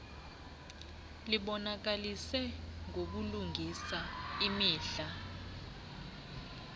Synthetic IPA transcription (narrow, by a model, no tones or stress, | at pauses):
liɓɔnak̬alisɛŋʱok̬uluŋʱisaimiːɬa